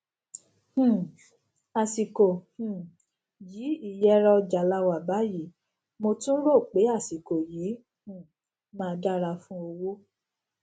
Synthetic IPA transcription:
a˨si˨kõ˨ | jiː˨˦i˦˨jɛ˨˧˦ɾɔ˧d͡ʒa˨la˧wa˨ba˨˦ji˨˦ | mo˧tũ˦ɾo˦˨k͡pe˨˦a˦˨si˨ko˨jiː˨˦ | h̩˦˨ | mãː˦˧da˦˨ɾa˧fũ˦o˧wo˦

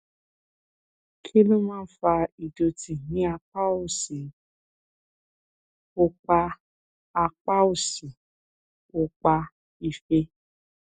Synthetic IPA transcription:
kʰi˦lũ˦mãː˦fa˧i˨do˧ti˨ɦĩ˨˦a˧k͡pa˦o˦˨si˨ | o˧k͡pa˧ | a˧k͡pa˦o˨si˨ | o˧k͡pa˧ | i˧fe˧

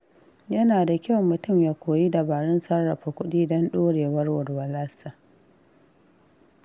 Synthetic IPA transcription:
jɐ˦naː˨da˨kʲa˦wmːʊ˨tʊ˦˨mjaː˦kʷoː˨ji˦da˨baː˨ɽɪ˦nsɐ˦rːɐ˨ɸa˨kʷʊ˦ɗiː˦dɔ˦nɗoː˦ɽeː˨wɐ˦rwʊ˨rwɐ˨laː˦sa˨

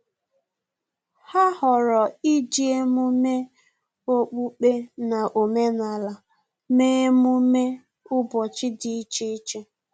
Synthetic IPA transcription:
ha˦hɔ˨ɾɔ˨i˦d͡ʒi˨e˦mu˦me˦ | o˦k͡pu˦k͡pe˦na˨ʔo˨me˦na˨la˨ | me˦mu˦me˦ | ʊ˦bɔ˨t͡ʃɪ˦dɪ˨i˦t͡ʃe˦i˦t͡ʃe˦

